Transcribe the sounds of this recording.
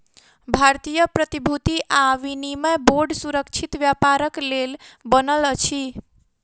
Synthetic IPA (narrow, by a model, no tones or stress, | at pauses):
bʱaɾt̪ijəpɾət̪ibʱut̪iʔaʋinimeboɾɖsuɾəkt͡ʃʰit̪ʋjapaɾəklelbənələt͡ʃʰi